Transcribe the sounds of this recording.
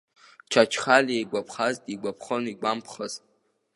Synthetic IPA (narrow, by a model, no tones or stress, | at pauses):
t͡ʃʰat͡ʃʰχalejɡʷapʰχaztʼiɡʷapʰχoniɡʷampʰχəz